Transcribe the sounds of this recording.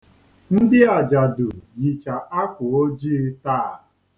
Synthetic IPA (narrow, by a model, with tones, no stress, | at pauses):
n̩˦dɪ˦a˨d͡ʒa˨dʊ˨ji˨t͡ʃa˨ʔa˦kʷʊ˨o˦d͡ʒi˦ta˦˨